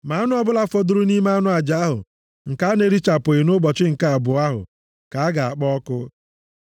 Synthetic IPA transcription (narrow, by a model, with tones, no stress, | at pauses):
ma˨a˦nʊ˦ɔ˦bʊ˦la˦fo˦dʊ˦ɾʊ˦ni˦ma˦a˦nʊ˦a˨d͡ʒa˨a˦ɦʊ̰˨ | ŋ̩˨ka˦ne˨ɾi˦t͡ʃa˨pʊ˨ɪ˨nʊ˦bɔ˨t͡ʃɪ˦ŋ̩˨ka˦a˨bʊ˨a˦ɦʊ̰˨ | ka˨a˦ɡa˨a˨k͡pɔ˦kʊ˦